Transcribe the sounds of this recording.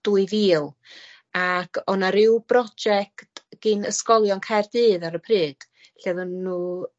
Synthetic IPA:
d̥uːɨviːlˠ | akʰɔnaɾɪwbrɔd͡ʒɛktɡ̥iːnəskɔlˠjɔnkʰajrdɨːðaɾəpʰrɨːd̥ | ɬɛðənːuː

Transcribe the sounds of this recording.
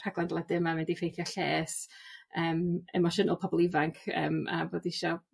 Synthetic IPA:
r̥aɡlˠandlˠadɪmamɛdifejθjɔɬeːsəːmɛ̰mɔʃənɔlˠpʰɔbɔlˠivaŋkʰə̰ːma̰boːdiʃɔ

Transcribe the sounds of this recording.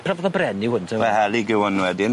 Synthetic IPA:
pʰrɔvɔðɔbrɛnɪwhʊntʰɛahɛlˠiɡɪwɔnwɛdɪn

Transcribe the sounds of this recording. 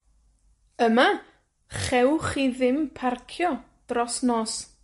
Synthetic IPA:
əma | χɛwχiðɪmpʰarkʰjɔ | d̥rɔsnɔːs

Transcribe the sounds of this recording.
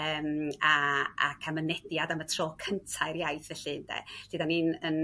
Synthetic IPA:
əːmaa̰kʰamənɛdjadamətʰrɔːkʰəntʰaɨrjajθvɛɬɨndɛ̰ɬiðaninən

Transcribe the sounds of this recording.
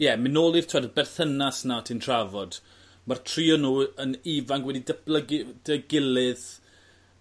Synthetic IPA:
jɛmɪnoːlˠir̥tʰadəbɛrθənasnatʰintʰr̥avɔd̥ | martʰriːɔnuːəniːvaŋkwɛdidəb̥ləɡd̥əɡɪlɪð

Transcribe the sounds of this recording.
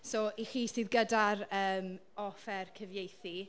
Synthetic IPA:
sɔːʔiχiːsɨːðɡədaɾəːm | ɔfɛrkʰəvjejθi

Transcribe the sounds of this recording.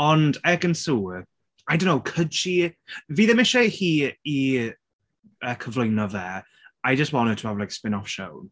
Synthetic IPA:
ɔndɛɡə̃nsuː | ajdõnːowkʰʊd̥ʃiviːðɛmɪʃɛhiːi | əkʰəvlojnɔðɛː | ajd͡ʒəst̚wɔnətʰə̥ablajkspɪnɔfʃo̰wn

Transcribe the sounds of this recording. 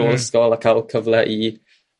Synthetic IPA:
oləskɔlˠakʰalˠkʰəvlˠɛʔi

